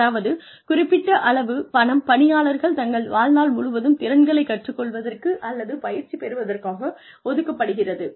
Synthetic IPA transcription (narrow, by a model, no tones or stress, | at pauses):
aːʋɐðɯ | kʊrɪpːɪʈːɐʔɐɭɐʋɯpɐɳɐmpɐɳɪjaːɭɐɾɣɐɭt̪ɐŋɡɐɭʋaːlnaːlmʊɻʊʋɐðɯmt̪ɪɾɐnɡɐɭɐɪkːɐʈrɯkːɔɭʋɐðɐrkɯʔɐlːɐðɯpɐjɪɾt͡ʃːipɛɾɯʋɐðɐrkaːɣɐ | ɔðɯkːɐpːɐɽɯɣɪrɐðɯ